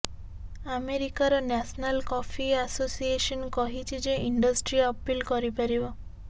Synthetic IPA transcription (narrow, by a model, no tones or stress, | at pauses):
ameɾikaɾɔnasnalkɔpʰiasosiesɔnkɔɦit͡ʃʰid͡ʒeiɳɖɔsʈɾiɔpilkɔɾipaɾibɔ